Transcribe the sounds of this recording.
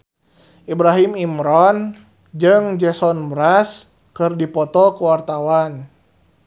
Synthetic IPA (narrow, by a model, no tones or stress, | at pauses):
ʔibɾaɦimimɾɔn | d͡ʒɨŋd͡ʒɛsɔnbɾas | kɨrdipɔt̪ɔkuwart̪awan